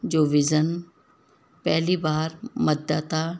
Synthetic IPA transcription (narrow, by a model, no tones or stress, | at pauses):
d͡ʑoːʋɪzən | pɛɦlibaːɾməd̪aːt̪a